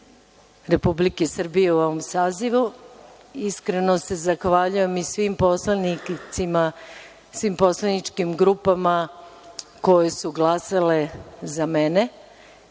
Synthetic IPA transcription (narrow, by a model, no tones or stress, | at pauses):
ɾe̞publikesr̩bije̞uoʋo̞msaːziʋu | iskɾenose̞zaxʋaːʎuje̞misʋimponiima | sʋimpo̞slˠanit͡ʃkimɡɾupama | ko̞je̞suɡlˠasale̞zamene̞